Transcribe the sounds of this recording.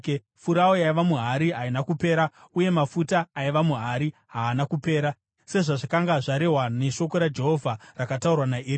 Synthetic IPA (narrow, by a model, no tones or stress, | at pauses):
fuɾaojaiʋamuɦaɾiɦainakupe̞ːɾauje̞mafutaːiʋamuɦaɾiɦaːnakupe̞ːɾa | se̞ʐaʐakaŋɡaʐaɾe̞ɦwane̞ʃo̞ko̞ɾad͡ʒe̞ɦo̞vʱarakataurwanair